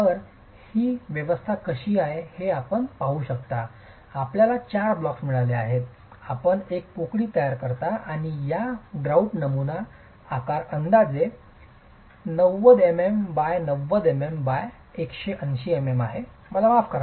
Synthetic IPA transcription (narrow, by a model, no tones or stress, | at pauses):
t̪əɾ | hiːʋjəʋəst̪ʰakəɕiːaɦeheapəɳpauɕəkt̪a | apljalat͡ɕaɾblɔksmiɭaleaɦet̪̚ | apəɳekːukɭiːt̪əjaɾkəɾt̪aaɽ̃ijaɡɾauɳʈnəmunaː | kaɾənd̪ad͡ze | nəʋəd̪emembajnəʋːəd̪emembaj | ekɕeʔənɕiememaɦe | məlamafkəɾ